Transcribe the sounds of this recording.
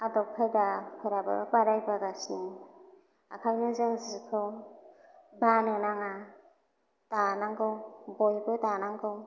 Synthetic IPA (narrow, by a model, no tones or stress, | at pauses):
adɔp̚kʰɯdapʰɯɾaba̰baɾajbaɡasni | a̰kʰajnɯzɯŋzikʰɯw | banɯnaŋa | tanaŋɡɯwbojbɯtanaŋɡɯw